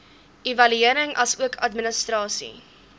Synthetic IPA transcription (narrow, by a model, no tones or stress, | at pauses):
ivɐlyiəɾəŋʔɐ̰suəkʰɐtmənəstrɑːsḭ